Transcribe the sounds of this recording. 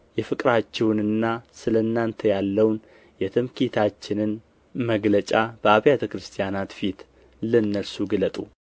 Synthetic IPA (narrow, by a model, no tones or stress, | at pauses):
jɛfɨkʼɾat͡ʃːɛwnɨnːasɨləɨnːant̪ʰəjalːəwn | jɛt̪ʰɨmkit̪ʰat͡ʃːɪnɨn | məɡlət͡ʃʼab̥əaβjat̪ʰəkɾɨst̪ʰijanat̪fit̪ | lɨnːəlsuɡɨlət̪ʼu